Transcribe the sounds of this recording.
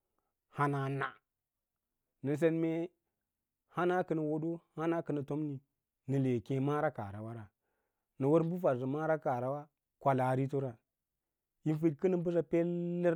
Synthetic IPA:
ha˦na˨na̰˨ | nə˨s̬e˦nme˦ | ha˦na˦kə˦nə˨wo˦do˦ha˦na˦kə˨nə˨to˦mni˨ | nə˨le˨kẽ˦ma˦ɾa˦ka̰˨ɾa̰˨wa˦ɾa˨ | nə˨wo˦ɾbu˦fa˨ɾzi˨ma˦ɾa˦ka˨ɾa˨wa˦ | kʷa˨la˨ɾi˦to˦ɾa˨ | ji˦n˦fi˦dkə˦nə˦m˦bu˦s̬a˦pe˦lːə˦

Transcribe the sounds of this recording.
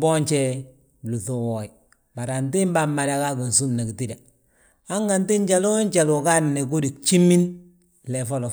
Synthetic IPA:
bo˦ɲt͡ʃe˦ | lu˨θu˨wo˨i˨ | ba˨ɾa˨nti˦mba˦mːa˨da˨ka˦ku˨n˨su˦mna˨ki˨ti˦da˨ | a˦ŋɡa˨nti˦nɟa˨lo˦ɲt͡ʃa˨lu˨ka˦nne˨k̬u˦di˨k̚t͡ʃi˦mi˦n | le˨fo˦lo˨

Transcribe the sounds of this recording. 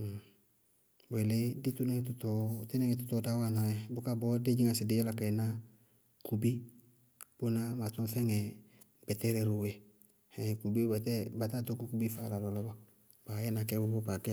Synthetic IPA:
be˨le˦di˦tu˦nɛ˦ŋ˨tʊ˦tɔ˨tɪ˦nɛ˦ŋɛ˨tʊ˦tɔ˦da˦wa˨na˨jɛ˨bʊ˦ka˦bɔ˦de˦d͡ʒi˦ŋa˨sɪ˨dɪ˦ɛ˦la˨ka˨ɛ˨na˦ | ku˨bi˦ | b̥ʊ˦na˦ma˨tɔ̃˦fɛ˦ŋɛ˨ | ɡ͡bɛ˨tɛ˦ɾɛ˨ɾu˨wɛ˨ | hɛ̃˨ku˨bi˦bɛ˨tɛ˦ba˨ta˦˨to˦ko˦ku˨˦bi˦fa˦˨la˨lɔ˨lɔ˦bɔ˦ | ba˨jɛ˦na˨kɛ˦bʊ˦bo˦pa˨kɪ˦a˨

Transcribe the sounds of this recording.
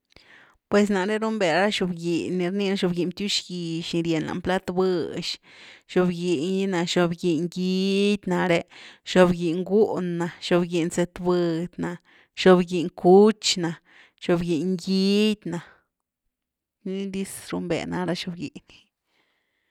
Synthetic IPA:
pwe˨s̬na˨ɾe˦ɾu˦mbe˨ɾa˦ʃo˧bɡi˨nːi˨ɾni˧na˦ʃo˧bɡi˨nt̪ju˦ʃɡi˨ʃni˧ɾje˨nla̰˨mpla˦t̪bɨ˦˧ʃ | ʃo˧bɡi˨ni˦na˨ʃo˧bɡi˨ŋɡi˧˦d̪ʲna˨ɾe˧ʃo˧bɡi˨ŋɡu˦nːa˨ʃo˧bɡi˨nse˧t̪bɨ˧d̪na˨ | ʃo˧bɡi˨ŋku˦t͡ʃna˨ | ʃo˧bɡi˨ŋɡi˦d̪ʲna˨ | ni˦d̪i˦sɾu˧mbḛ˨na˨ɾa˦ʃo˧bɡḭ˨ni̥˨

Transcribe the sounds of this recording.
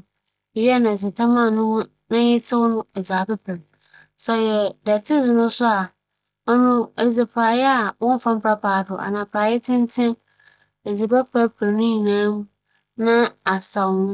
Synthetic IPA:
ɥi˦a˦nã˨s̬i˨tʰã˦mã˦˨nʊ̃˦wʊ̃˦ | nã˦ɛ˦tʰɪ˦wʊ˦nʊ̃˦ɛ˨d͡ʑaː˨pɪ˦pʰe˨ | sɔ˨jɛ˨dɛ˨tʰɪ˦zɪ˨nʊ̃˦sʊ˦a˨ | ɔ˦nʊ̃˦e˨d͡zi˨pʰaː˨jɛ˦a˨wɔ̃˦n˦fã˦m̩˦pʰɾa˦pʰaː˨dʊ˨ʔa̰˨nã˨pʰaː˨jɛ˦tʰɪ̃˦n˦tʰɪ̃˦m | e˨d͡zi˨pa˦pʰa˦pʰɾnʊ̃˦ɲĩ˨nãː˦m˦ | nã˦a˨sa˨wnʊ̃˦

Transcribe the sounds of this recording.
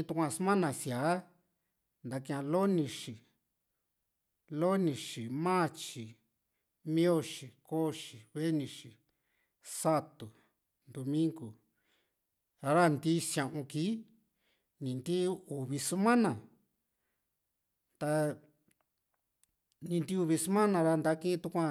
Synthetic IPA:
ĩ˧t̪u˧kʷã˧smã˦nã˨sja˨˦ | nd̪a˨˧ki˧ã˧lo˦nĩ˧ʂi˨ | lo˦nĩ˧ʃi˨mã˦˨t͡ʃi˨ | mĩ˦o˦˨ʃi˨ko˦ʃi˨βe˦nĩ˧ʃi˨ | sa˦t̪u˨ | nd̪o˧mĩ˦ŋɡu˨˧ | ɾa˦nd̪i˦sjã˧ʔũ˧kiː˨˦ | nĩ˨nd̪i˦u˨βi˧su˦mã˦nã˨ | t̪a˧ | nĩ˧nd̪i˦˧u˧βi˧su˦mã˦nã˧ɾa˧nd̪a˧˦kĩ˦ĩ˧t̪u˧kʷã˧

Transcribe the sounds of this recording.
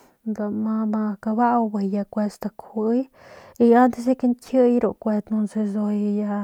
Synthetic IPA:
nd̪a˨ma˧ma˧ka˧ba˦wbe˨ja˧kʷe˧st̪a˧kʰu˧˦j | i˧ja˦nd̪e˧s̬e˦ke˦nt̪ʰə˦jɾu˨kʷe˧t̪nu˧nse˧zo˧jja˧

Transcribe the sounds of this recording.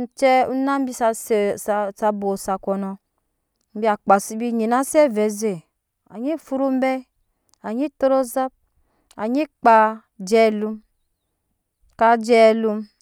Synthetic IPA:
n̩˨˦t͡ʃɛ˦u˦na˦m̩˦bi˦sa˧sssa˧bo˨sa˨kʷɔ˨nɔ˧ | m̩˦bi˦a˨k͡pa˨si˦bi˦˨ɲi˨na˦sɛ˦˨vɛ˨ze˨ | a̰˨ɲi˦˨fu˦ɾu˦m˦bɛ˦ | a˨ɲi˦to˦ɾo˦za˦p̚ | a̰˨ɲi˦k͡pa˨ | d͡ʒɛ˦lu˦m | ka˦d͡ʒɛ˦˨lu˦m

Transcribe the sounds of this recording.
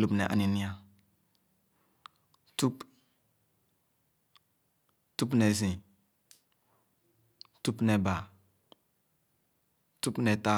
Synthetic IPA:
lu˨pnḛ˨ʔa̰˨ni˨ni˦a˦ | tu˦p | tu˦p̬ne˨zĩ˨ | tu˦pne˨ba˨ | tu˦pne˨ta˦

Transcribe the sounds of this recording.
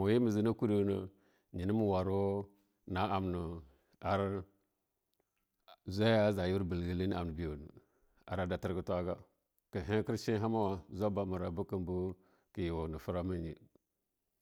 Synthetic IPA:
mo˨ji˦mə˨zi˦na˦ku˦ɾi˨˦nə˨ | ɲi˨nə˦mu˨wa˨ɾu˦o˦ | na˨a˨mnə˨ | a˨ɾ | za˦a˦za˨ji˦wu˦ɾbə˨lɡə˦˨li˦n˦a˨m˨ə˨bi˨ju˨nə˨ | a̰˨ɾa˨da˨ti˦ɾkə˦tʷa˦ɡa˦ | kə˨ɦe˦kə˦ɾʃi˦ɦa˦ma˦wa˨zʷa˦ba˦mu˨ɾa˨bu˦kə˨mbu˦ | kə˨ji˨wo˨nə˨fu˦ɾa˦mə˦ɲḭ˨

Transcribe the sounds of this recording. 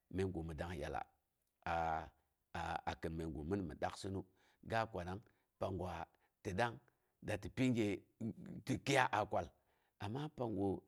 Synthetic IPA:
me˨ŋɡo˨mə˨da˦ŋ˨ja̰˨la̰˨ | a˨ | a̰˨kə˨nme˨ŋɡo̰˨mə˦nmə̰˨ɗa˦ksi˦nu˦ | ɡa˦kʷa˨na˦ŋ | pa˨ŋɡwa˨ | ti˨da˦ŋ | da˨ti˨pi˦ŋɡe˨ | ti˨ki˦ja˦ʔa˨kʷa˨l | a˨mːa˦pa˨ŋɡo˨

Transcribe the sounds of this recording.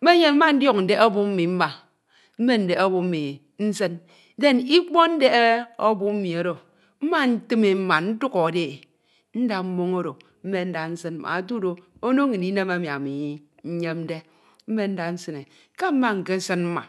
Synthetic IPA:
me˦ɲe˦m̩˦ma˦n̩˦djɔ˦k̚n̩˨de˨˦o˦bu˦m̩˦mi˨m̩˦ma˨ | m̩˦me˦n̩˨de˨o˦bu˦m̩˦mi˨ | n̩˦sɨ˦n | de˦ni˦k͡po˦n̩˦de˦o˦bu˦m̩˦mi˨o˦do˨ | m̩˦ma˦n̩˦tɨ˦me˨m̩˦ma˨n̩˦tu˦kɔ˨de˦e˨ | n̩˦da˨m̩˦mo˦ŋo˦ɾo˨ | m̩˦me˦n̩˦da˨n̩˦sɨ˦n̩˦a̰˨a˨tu˦do˨ | o˦no˦ŋi˨i˦ne˦ma˦mja˨mi˨i˦ | ɲ̩˦ɲe˦mn̩˦de˦ | m̩˦me˦n̩˦da˨n̩˦sɨ˦ne˨ | ka˦m̩˦ma˦ŋ̩˨ke˦n̩˦sɨ˦nm̩˦ma̰˨

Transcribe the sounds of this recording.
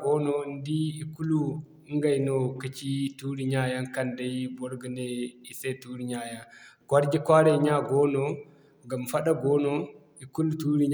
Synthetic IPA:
ɡɔ˦nɔ˨ndi˦i˨ku˦lu˦ | ŋɡa˨jno˨ki˦t͡ʃi˦tu˦ɾi˦ɲa˦ja˦nka˦nda˦jbɔ˦ɾɡi˨ne˦i˨se˦tu˦ɾi˨ɲa˨ja˨ɡ̥wa˦ɾd͡ʒi˦kʷa˦ɾe˨ɲa˦ɡɔ˦nɔ˦ | ɡa˨mfa˦ɗa˦ɡɔ˦no˦ | i˨ku˦lu˦tu˦ɾi˦ɲ

